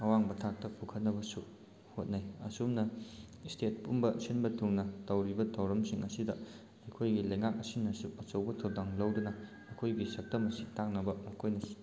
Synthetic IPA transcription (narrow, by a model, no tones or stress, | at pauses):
ɐwaŋbɐtʰak̚tɐpʰukʰɐt̚nɐbɐsu | hot̚najɐsumnɐstʰet̚pumbɐsinbɐtʰuŋnɐtɐwɾibɐtʰɐwɾɐmsiŋɐsidɐ | ɐjkʰojɡilɐjŋak̚ɐsinɐsuʔɐt͡ʃɐwbɐtʰowdaŋlɐwdunɐ | ɐkʰojɡisɐk̚tɐmɐsi̥taŋnɐbɐmɐkʰojnɐsi̥